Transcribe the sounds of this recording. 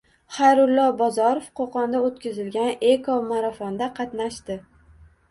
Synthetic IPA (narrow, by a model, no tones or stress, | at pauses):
χajɾʊlːɒbɒzɒɾofqʰoqɒnd̪aot̪̚kʲɪzɪlɡʲanekʰomaɾafɒnd̪aqʰɑt̪naʃt̪ɪ